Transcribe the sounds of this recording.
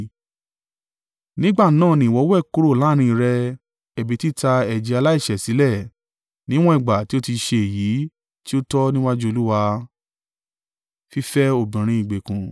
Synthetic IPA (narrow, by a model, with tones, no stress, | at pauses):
nĩ˦ɡ͡ba˦˨˦nãː˦˨nĩ˨wɔ˨˦wɛ˦˨ku˦ɾo˦˨la˦ɾ̃ĩ˧ɾɛ˧ | ɛ˨bi˨˦ti˦ta˧ɛ˨d͡ʒi˨˧a˧la˦i˦˨ʃɛ˨si˨˦lɛ˦˨ | nĩ˦w̃ɔ̃˦i˦˨ɡ͡ba˨ti˨˦o˦ti˧ʃe˧e˨ji˨˦ | ti˦o˦tɔ˦nĩ˦wa˦d͡ʒu˦o˧lu˦wa˧ | fi˦fɛ˦o˦˨bĩ˨ɾ̃ĩ˧i˨ɡ͡be˨kũ˨